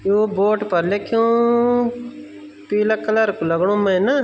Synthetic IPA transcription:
jõːboːʈpəɾlekʰjõː | piːlakəlaɾkuləɡɽ̃õːmɛ̃na

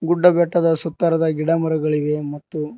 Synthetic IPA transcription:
ɡuɖːɐbɛʈːɐd̪ɐsɔt̪ːɐɾɐd̪ɐɡiɽɐmuɾɐɡɐɭiʋe̞mɐt̪ːu

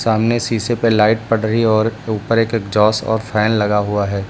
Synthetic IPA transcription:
saːmnesiːsepelaːɪʈ̚pɐɽɾəɦiɔːɾuːpəɾeːkekd͡ʒɔːsɔ̰ːɾfʰɛːnlɐɡaɦuaɦɛː

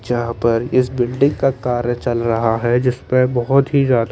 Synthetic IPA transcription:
d͡ʒaɦpɐɾɪsbɪlɖɪ̃ŋɡkakaːɾjət͡ʃɐlɾɐɦaɦɛd͡ʒɪspəbɔɦʊt̪ɦizjaːd̪

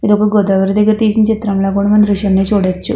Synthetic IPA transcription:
id̪opːuɽuɡɔd̪ɐːʋɐɾid̪ɐɡːɐɾɐt̪iːsinɐt͡ʃit̪ːɾɐmlɐːkuːɽɐmɐnɾuʂɐnːeːt͡ʃuːɽɐt͡ʃːu

